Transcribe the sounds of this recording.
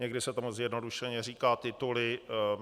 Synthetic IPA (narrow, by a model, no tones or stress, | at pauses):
ɲɛɡdɪsɛt̪omuzjɛdnoduʃɛɲɛriːkaːt̪ɪt̪ulɪ